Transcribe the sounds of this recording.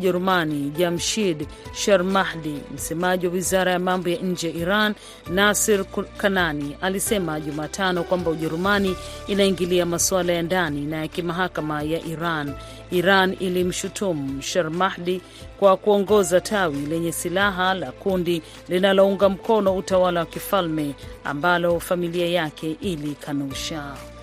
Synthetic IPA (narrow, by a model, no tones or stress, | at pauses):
ʄɛɾumaniʄamʃidʃaɾmahɗim̩sɛmaʄiwawizaɾajamambɔjaɲ̩d͡ʒɛjaʔiɾanː | asiɾkananialisɛmaʄumaːtʰanɔkwambauʄɛɾumaniːnaiŋɡiliamaswalajandaninajakimaɦakamajaʔiɾan | iɾanilim̩ʃutum̩ʃaɾmahɗi | kwakuɔŋɡɔzatʰawilɛɲɛsilaɦalakundi | linalɔuŋɡam̩kɔnɔutawalawakifalmɛa̰mbalɔfamiliajakɛʔilikʰanuʃa